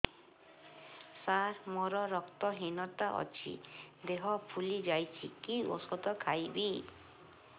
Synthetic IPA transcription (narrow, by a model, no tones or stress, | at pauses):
saɾmɔɾɔɾɔkt̪ɔɦinɔt̪aʔɔ̰t͡ʃʰḭd̪eɦɔpʰulid͡ʒajt͡ʃʰikio̰sɔd̪ɔkʰajbi